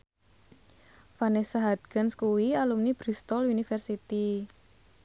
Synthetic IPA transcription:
fanesaɦat̪̚ɡ̥anskuwialumnib̥ɾist̪ɔlunifɛrsit̪i

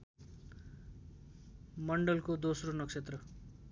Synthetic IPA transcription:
mʌɳɖʌlkod̪osronʌksʰet̪rʌ

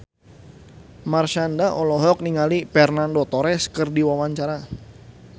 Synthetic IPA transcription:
marʃandaʔɔlɔɦɔk̚niŋalipɛrnandot̪ɔɾɛskərdiwawaɲt͡ʃaɾa

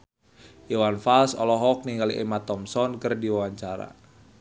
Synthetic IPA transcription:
jiwanfalsɔlɔɦɔk̚niŋɡaliʔɛmat̪ɔmsɔnkərdiwawaɲt͡ʃaɾa̰

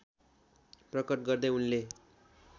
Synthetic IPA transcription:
prʌkʌʈɡʌrd̪ʌunle

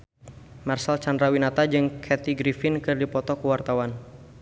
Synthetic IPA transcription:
marsalt͡ʃandɾawinat̪ad͡ʒɨŋkʰɛt̪iɡɾifɪnkɨrdipɔt̪ɔkəwart̪awan

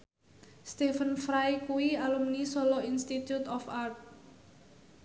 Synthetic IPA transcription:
st̪ifənfɾajkuwialumnisɔlɔinst̪it̪jut̪ɔfart̪̚

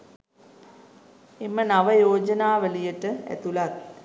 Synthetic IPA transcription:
emənaʋəjoːd͡ʒənaːʋəlijəʈəæ̰t̪ulat̪̚

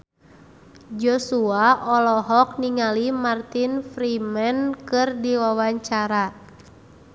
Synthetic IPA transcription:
d͡ʒɔsuaʔɔlɔɦɔk̚niŋalimart̪infɾimankɨrdiwawaɲt͡ʃaɾa

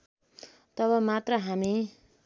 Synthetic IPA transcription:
t̪ʌβʌmat̪rʌɦami

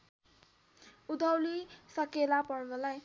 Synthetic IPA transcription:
ud̪ʱʌwlisʌkelapʌrbʌlaj

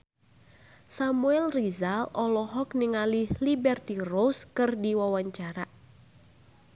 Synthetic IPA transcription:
samuɛlrizalɔlɔɦɔkniŋalihlibɛrt̪iroskɨrdiwawaɲt͡ʃaɾa

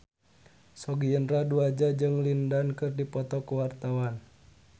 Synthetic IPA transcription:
sɔɡiənraduad͡ʒad͡ʒɨŋlindankɨrdipɔt̪ɔkuwart̪awan

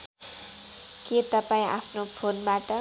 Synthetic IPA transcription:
ket̪ʌpaĩʔa̰pʰnopʰonbaʈʌ

